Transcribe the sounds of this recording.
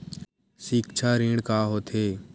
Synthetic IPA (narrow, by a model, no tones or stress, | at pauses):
sikt͡ʃʰaːɾɪːɽkaːɦoːt̪ʰeː